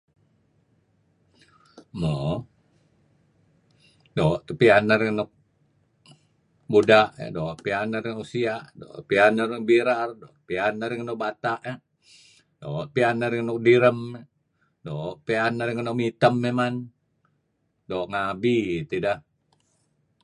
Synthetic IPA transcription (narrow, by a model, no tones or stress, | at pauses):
mo | doʔt̪upianəɾŋnɔk̚ | budaʔdoʔpianəɾiŋusiaʔdo̰pianərk̚biɾardoʔpianaɾiŋnɔk̚bat̪aʔɛ | doʔpianəɾiŋnɔk̚diɾəm | doʔpianaɾiŋənoʔmit̪əmːeman | doʔŋabit̪idah